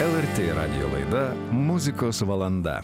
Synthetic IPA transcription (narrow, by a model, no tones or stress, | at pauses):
ɛlˠeɾʲt̪ʲeɾɑ̰d̪ʲɪ̰jo̰lˠɑ̰jd̪ɑ | muzʲɪkosʋɐlˠɐnd̪ɑ̰